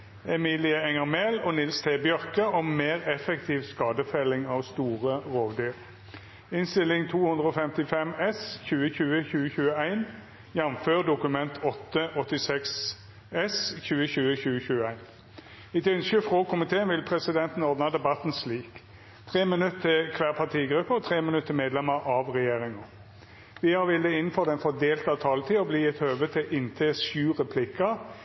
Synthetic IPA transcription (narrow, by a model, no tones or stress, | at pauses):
ɛmiːlɪəɛŋɑʁmɛlɔnɪlst̪ʰeːbjœʁkəɔmmeːʁɛfɛkt̪ʰiːʋskɑːd̪əfɛlɪŋɑːʋst̪uːʁəʁoːʋd̪yːʁ | ɪnst̪ɪlɪŋt̪ʰuːhʉnd̪ʁəɔːfɛmt̪ɪfɛmɛsçʉːəçʉːəçʉːəçʉːəæɪn | jɑmføːʁd̪ʊkʉmɛnt̪ʰɔt̪ːəʔɔt̪ːɪsɛks | ɛsçʉːəçʉːəçʉːəçʉːəæɪn | ɪt̪ʉnskəfʁoːkʰʊmɪt̪ʰeːənʋɪlpʰʁɛsɪd̪ɛnt̪n̩ɔʁd̪nɑd̪ɛbɑt̪n̩sliːk | t̪ʰʁeːmɪnʉt̪ʰːɪkʰʋæːʁpʰɑʁt̪ʰiːɡɾʉpːəɔt̪ʰʁeːmɪnʉt̪ʰːəmeːd̪lɛməɾʔɑʋʁɛjeːʁɪŋɑ | ʋɪhɑɾʋɪld̪əɪnn̩fɔʁd̪ɛnfɔd̪eːlt̪ɑʋt̪ʰɑːlət̪ʰiːɔbliːɛt̪høːʋət̪ʰɪʔɪnt̪ʰeːsʉːʁɛpʰlɪkːɑ